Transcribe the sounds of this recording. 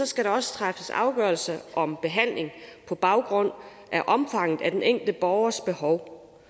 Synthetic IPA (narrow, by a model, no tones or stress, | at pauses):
sɒ̽sɡ̥æɾɑ̈ɒ̽sə̥t͡sʰʁafəsɑ̈ʊɡ̥ɶɐlsɐʔɒ̽mb̥e̝ɦæn̰le̝ŋpʰɒ̽b̥ɑ̈ʊɡ̥ʁɔ̽n̰ | ʔæɐʔɒ̽mfɑ̈ŋ̰ð̩ˠæd̥eneŋ̰ɡ̥l̩dəb̥ɒʊɐsb̥e̝hɒʊ